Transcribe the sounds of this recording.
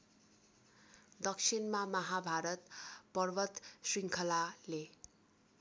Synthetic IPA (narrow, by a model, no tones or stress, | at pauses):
d̪ʌksʰinmamʌɦabʱaɾʌt̪pʌrbʌt̪sriŋkʰʌlale